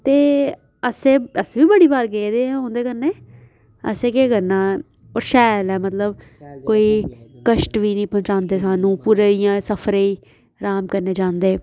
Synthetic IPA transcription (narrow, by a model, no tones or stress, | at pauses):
t̪eː | əsẽːəsʋiːbəɽiːbaːɾɡeːd̪eːɛːɦõːnd̪eːkəɾneː | ə̰seːkeːkəɾnãː | oːɾʃɛːlɛːmət̪ləb | koːiːkəʃʈʋiːnəĩːpɔ̃ːɲt͡ʃãːnd̪eːsaːnũːpuːɾeːijãːsəpʰəɾeːiː | ɾaːmkəɾneːd͡ʒãːnd̪eː